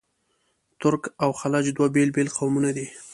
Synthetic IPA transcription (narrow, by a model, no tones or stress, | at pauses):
t̪ʊɾkawxalɑd͡ʒd̪wabelbelqʰawmunad̪i